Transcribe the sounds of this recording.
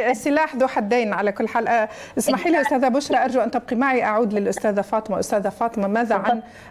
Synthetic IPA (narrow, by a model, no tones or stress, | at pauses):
sɪlaːħd̪uːħad̪ːeːnʕalakʊlːħaːlʔaʔɪsmaħiːliʔʊst̪æːðabʊʃɾˤɑʔɑɾˤd͡ʒaʔant̪ɪb̚qimaʕiʔaʕuːd̪lɪlʔʊst̪aːðafɑːt̪ˤɨɪmaʔʊ̰st̪aːðafɑːt̪ˤɪmamaːðaʕan